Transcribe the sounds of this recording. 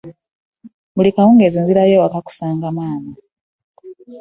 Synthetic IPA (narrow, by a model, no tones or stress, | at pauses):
mulikawuːŋɡe̞ziːnziɾajewakaku̥saːŋɡamaːna